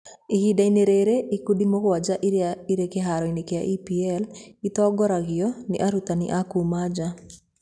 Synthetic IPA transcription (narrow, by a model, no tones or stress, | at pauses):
ihidaineɾeɾeikudimɔɣwad͡ʒaʔiɾekeɦaɾɔinekea̰ʔipiɛlit̪ɔɡɔɾaɣɪɔnḭʔaɾut̪anɪ̰ʔakumad͡ʒa